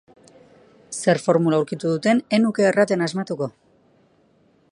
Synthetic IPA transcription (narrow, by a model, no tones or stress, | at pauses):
se̞ɾfo̞ɾmulauwɾkit̪uðut̪e̞ne̞nuke̞ːrat̪enazmat̪uko̞